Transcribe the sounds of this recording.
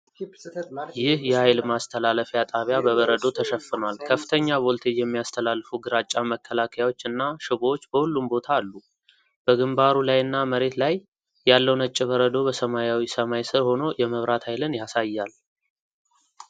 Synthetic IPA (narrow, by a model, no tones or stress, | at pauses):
jɪhjɛhajlmast̪ʰəlaləfjat̪ʼaβjabəβəɾəd̪o̞t̪ʰəʃəfːɨnwalkʰəfːɨt̪ʰəɲːabolt̪ʰe̞jɛmːijast̪ʰəlalːfuɡɨɾat͡ʃʼːaməkʰːəlakʰəjawo̞t͡ʃːɨnːaʃɪβot͡ʃːbəhulːumbo̞t̪ʰaːlːu | b̥əɡɨmbaɾulajɨnːaməɾe̞t̪lajː | alːəwnət͡ʃʼːɪβəɾəd̪o̞bəsəmajawisəmajsɨɾho̞no̞jɛməβɾat̪hajlɨnjasajːal